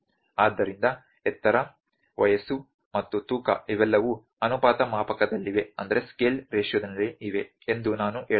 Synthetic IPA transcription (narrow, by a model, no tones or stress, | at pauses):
aːd̪ːɐɾind̪ɐ | ɛt̪ːɐɾɐ | ʋɐjɐsu | mɐt̪ːut̪uːkɐ̰iʋɛlːɐʋu | ɐnupaːt̪ɐmaːpɐkɐd̪ɐlːiʋe̞ɐ̰nd̪ɐɾe̞skeːlɾeːʂjɐd̪ɐlːiʔiʋe̞ | end̪unaːnuʔeː